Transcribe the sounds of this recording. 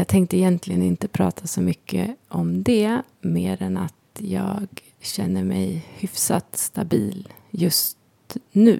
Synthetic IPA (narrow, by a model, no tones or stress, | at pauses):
jɑːɡ̚t̪ʰɛŋkt̪əɪjɛnt̪ʰlɪɡənɪnt̪əpʰɾɑːt̪ʰasɔmʏkːə̰ʔɔmd̪ɛ | meːɾɛnat̪jɑːɡ | ɕɛnːəɾmɛjhʏfsat̪st̪abiːl | jɵst̪ | nʉ̟ː